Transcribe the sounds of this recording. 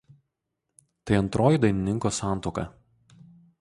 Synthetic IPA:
t̪ɐɪɐnt̪ɾoːjiˑd̪ɐɪnʲɪnʲɪŋˑkoːsɑˑnt̪oːkɐ̰

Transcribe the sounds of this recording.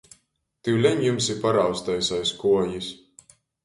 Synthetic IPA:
t̪iwlʲɛɲjumsipaɾawst̪ajsajskuɔjisʲ

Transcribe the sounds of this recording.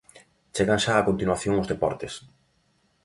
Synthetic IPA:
t͡ʃeɣaŋʃaːkont̪inwaθjoŋʊzðepɔ̰ɾt̪es

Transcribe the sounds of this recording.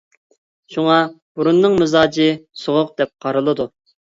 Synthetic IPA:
ʃuŋɑbuɾunːɨŋmɪzɑːd͡ʒɪsoʁʊq̚d̪ɛp̚qʰɑɾɨlˠɨd̪u

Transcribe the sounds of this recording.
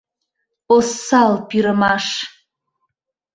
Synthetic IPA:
osalpʰʼiɾɨmaʂ

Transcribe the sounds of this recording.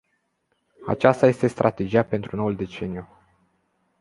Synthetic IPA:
a̰t͡ʃast̪aje̞st̪e̞st̪ɾʔat̪e̞d͡ʒijape̞nt̪ɾuno̞uld̪e̞t͡ʃe̞niju

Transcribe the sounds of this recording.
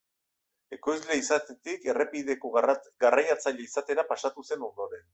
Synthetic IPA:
e̞ko̞jzle̞isat̪et̪ike̞repiðe̞koɡarajat͡saʎeisat̪e̞ɾapasat̪use̞noɾðoɾe

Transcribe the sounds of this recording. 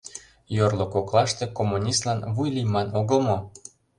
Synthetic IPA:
jorlokoklˠɑʃt̪e̽komːunʲist̪lɑnβujlimɑnoɣə̆lmo

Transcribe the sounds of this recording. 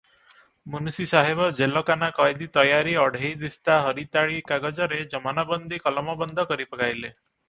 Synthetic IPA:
munusisaɦebɔd͡ʒelɔkanakɔjd̪it̪ɔjaɾiɔɖ̤ʱejd̪ist̪aɦɔɾit̪aɭikaɡɔd͡ʒɔɾed͡ʒɔmanabɔnd̪ʱikɔlɔmɔbɔnd̪ʱɔkɔɾipɔkajle

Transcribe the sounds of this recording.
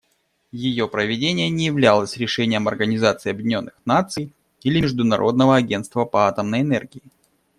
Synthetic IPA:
jɪjo̞pɾəvʲɪdʲenʲɪjənʲɪjɪvlʲalˠəsʲɾʲɪʂɛnʲɪjəmɐrɡənʲɪzat̪sɨɪɐbʲjɪdʲɪnʲo̞nːɨxnat̪sɨj | ilʲɪmʲɪʐd̪ʊnɐɾʔo̞̰d̪nəvəɐɡʲe̞nst̪vəpəat̪əmnəjɛnɛrɡʲɪɪ

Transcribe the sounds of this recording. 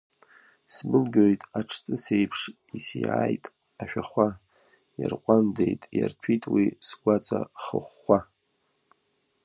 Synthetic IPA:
sbɨlɡʲojtʼaʈ͡ʂʰt͡sʼɨsejpʰʂ | isijaːjtʼ | aʃᶣaχʷa | jarqʷʼandejtʼja̰rtʰitʼwisɡʷat͡sʼaχə̰χːʷa

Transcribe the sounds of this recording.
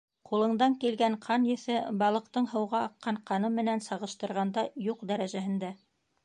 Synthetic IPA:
qulˠɤ̆ɴd̪ɑŋkilɡæɴqʰɑnjɘ̆θɘbɑlˠɤ̆qt̪ɤɴɦɤ̆wʁɑːqːɑɴqɑnɤmɘ̆nænsɑʁɤ̆ʃt̪ɤ̆ɾʁɑnd̪ɑjuqd̪æɾæʒæɦɘ̆nd̪æ

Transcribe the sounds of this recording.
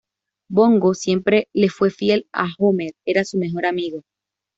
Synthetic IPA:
bo̞ŋɡosje̞mpɾe̞le̞fwe̞fje̞la̰xomeɾe̞ɾasume̞xo̞ɾamiɣo

